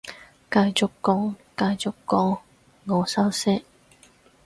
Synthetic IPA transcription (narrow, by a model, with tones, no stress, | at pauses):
kaː˧jt͡ʃʊ˨kːɔː˧˥ŋkaː˧jt͡sʊ˨kːɔː˧˥ŋ | ŋɔː˨˧sɐ˥wsɛ˥k̚